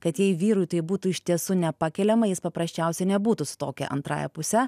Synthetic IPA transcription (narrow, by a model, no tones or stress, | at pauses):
kɐt̪jɛɪʋʲiːɾʊjt̪ɐɪbuːt̪uɪʃʲt̪ʲiɛsunʲɛpɑːkʲɛlʲɛmɐjɪspɐpɾɐsʲt͡ʃʲɛʊsʲɛɪnʲɛbuːt̪usʊ̥t̪oːkʲɛ̰ʔɐ̰nt̪ɾɑ̰ːjɛ̰pʊsʲɛ